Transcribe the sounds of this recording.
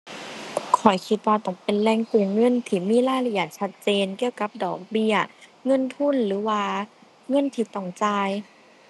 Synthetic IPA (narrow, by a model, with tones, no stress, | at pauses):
kʰɔ˨˩jkʰi˧t̪̚waː˧t̪ɔ˧˩ŋpe˨nlɛː˧˩˨ŋkuː˧˩ŋŋɤ˧˥˨nt̪ʰiː˧˩miː˧˥˨laː˧˩jla˧i˨˩˨t̪̚t͡ɕʰa˧t̪̚t͡ɕeː˨nki˧əwka˧˦p̚dɔː˨˩k̚bi˧˩ɐŋɤ˧˥˨nt̪ʰu˧˥˨nlɯː˨˦waː˧ | ŋɤ˧˥˨nt̪ʰiː˧˩t̪ɔ˧˩ŋt͡ɕaː˧˩j